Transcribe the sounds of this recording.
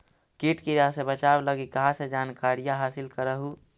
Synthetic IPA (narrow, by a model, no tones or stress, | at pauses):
kiʈkiɾasẽbət͡ʃabləɡikəɦãsed͡ʒaːnkaɾijaɦaːsilkəɾəɦu